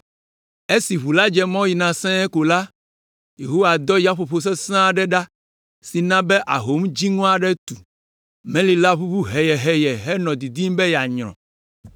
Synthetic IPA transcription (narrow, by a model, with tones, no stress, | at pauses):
e˦si˨βu˨la˦d͡ʒɛ˦mɔ̃˦ji˨nã˨sɛ̃˦ɛ˦ko˨la˦ | je˨ɦo˦wa˨d̪ɔ˦ja˦ɸo˨ɸo˨s̬ɛ˦sã˦ɖɛ˦ɖa˦ | si˨nã˦bɛ˦ʔa̰˨ɦo˨˦md͡ʒi˦ŋɔ̃˦a˨ɖɛ˦t̪u˨ | mɛ̃˦li˨la˦ɸu˦ɸu˦ɦɛ˨jɛ˨ɦɛ˨jɛ˨ɦɛ˦nɔ̃˨d̪i˨d̪i˦m˦bɛ˦jɛ˨a˨ɲɾ̃ɔ̰̃˨